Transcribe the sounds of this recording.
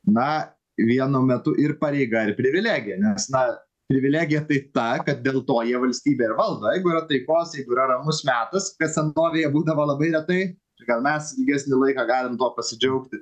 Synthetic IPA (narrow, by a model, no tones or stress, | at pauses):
nɐ | ʋʲiɛnʊmʲɛt̪ʊʔɪɾpɐɾʲɛɪɡɐɪɾpʲɾʲɪʋʲɪlʲæːɡʲɪjɛnʲɛsnɐ | pʲɾʲɪʋʲɪlʲæːɡʲɪjɛt̪ɐɪt̪ɐkɐt̪̚d̪ʲeːlˠt̪oːjiɛʋɐlʲsʲt̪ʲiːbʲeːɪɾʋɐlˠd̪oːjɛɪɡʊɪɾɐt̪ɐɪkoːsjɛɪɡʊɪɾɐɾɐmʊsmʲæːt̪ɐskɐt̪sʲɛnoːʋʲejɛbuːd̪ɐʋoːlˠɐbɐɪɾʲɛt̪ɐɪ | ɪɡɐlˠmʲɛsɪlʲɡʲæːsʲnʲɪlˠɐɪkɑːɡɑːlʲɪmt̪oːpɐsʲɪd͡ʒʲɛʊkt̪ʲɪ